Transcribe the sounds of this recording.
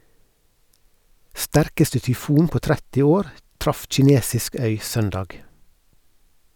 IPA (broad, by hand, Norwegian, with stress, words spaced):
ˈstæɾkəstə tʏˈfuːn ˈpoː ˈtɾɛtɪ ˈoːɾ ˈtɾɑf c͡çɪˈneːsɪsk ˈœʏ ˈsœndɑːɡ